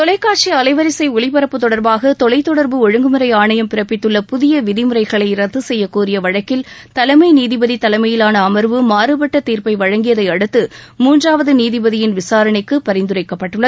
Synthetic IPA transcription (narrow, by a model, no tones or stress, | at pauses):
t̪ɔlɐɪkːaːʈt͡ʃiɐlɐɪʋɐɾɪsɐɪʊɭɪpɐɾɐpːɯt̪ːɔɽɐɾbaːɣɐt̪ɔlɐɪt̪ːɔɽɐɾbɯɔɻɯŋɡɯmɯɾɐɪaːɳɐjɐmpɪɾɐpːɪt̪ːɯɭːɐpʊðɪjɐʋɪðɪmɯɾɐɪɣɐɭɐɪɾɐt̪ːɯsɛjːɐkuːrɪjɐʋɐɻɐkːɪlt̪ɐlɐɪmɐɪniːðɪbɐðit̪ɐlɐɪmɐjɪlaːnɐːmɐɾʋɯmaːɾɯbɐʈːɐt̪iːɾpɐɪʋɐɻɐŋɡɪjɐðɐɪɐɽɯt̪ːɯmuːndraːʋɐðɯniːðɪbɐðɪjɪnʋɪsaːɾɐɳɪkːɯpɐɾɐɪnd̪ɯɾɐɪkːɐpːɐʈːɯɭːɐð